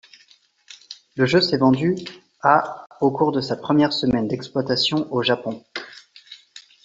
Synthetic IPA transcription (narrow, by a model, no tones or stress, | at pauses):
ləʒøsɛvɑ̃d̪y | aokuʁd̪əsapχəmjɛʁsəmɛnd̪ɛksplwat̪asjɔ̃ʔoʒapɔ̃